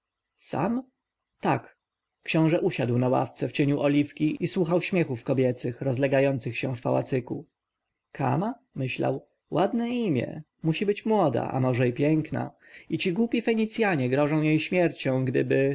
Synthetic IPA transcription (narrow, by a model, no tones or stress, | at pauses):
sa̰m | t̪akː | ɕɔ̃w̃ʐɛʔuɕad̪wnawa̰ft̪sɛft͡ɕeɲuʔɔlʲifkʲiiswuxawɕmʲjɛxufkɔbʲjɛt̪sɘxɾɔzlɛɡajɔnt̪sɘxɕɛfpa̰wa̰t̪sɘku | kʰa̰ma | mɘɕla̰w | wad̪nɛimʲjɛ̰ | muɕibɘt͡ɕmwɔd̪a̰ʔa̰mɔʐɛipʲjɛŋkna̰ | it͡ɕiɡwupʲifɛɲit̪sʲjaɲɛɡɾɔʐɔ̃w̃jejɕmʲjɛɾt͡ɕɔ̃w̃ɡd̪ɘbɘ